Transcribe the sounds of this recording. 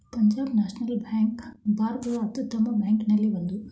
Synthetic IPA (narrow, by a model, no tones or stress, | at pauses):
pɐɲd͡ʒaːbnaːʂnɐlbaːŋkbʱaːɾɡ̪ɐɭɐɐt̪ːut̪ːɐmɐbjaːŋkinɐlːiʋɐnd̪u